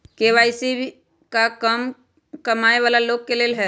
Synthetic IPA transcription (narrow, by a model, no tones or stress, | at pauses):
keːʋaːɪsi | kakəm | kəmaːeʋaːlaloːɡ̚keleːlɦɛː